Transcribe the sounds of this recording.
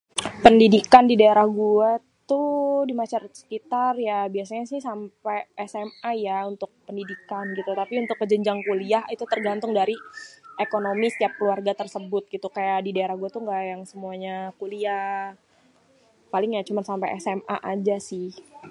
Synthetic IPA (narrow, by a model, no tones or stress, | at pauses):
pəndidikandidaeɾahɡua | t̪udimasart̪sə̥kit̪arjabiasaɲasɪhsampaʔɛsɛmajaunt̪ʊk̚pəndidikanɡit̪ut̪apiunt̪ʊkːəd͡ʒəɲd͡ʒaŋkuliaɦit̪ut̪ərɡant̪ʊŋdaɾiʔekonomisə̥t̪iap̚kluarɡat̪ərsəbʊt̪̚ɡit̪ukajaʔdidaeɾahɡuat̪uŋɡaʔjaŋsəmuaɲakulia | palɪŋjat͡ʃumansampaɛsɛma̰ʔad͡ʒasɪh